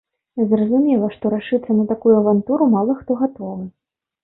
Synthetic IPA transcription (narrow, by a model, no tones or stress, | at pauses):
zrɐzumʲɛlˠɐʂt̪ɔɾaʂɨt̪sːɐnɐt̪akujuɐvant̪uɾumalˠɐxt̪ɔɣat̪ɔvɨ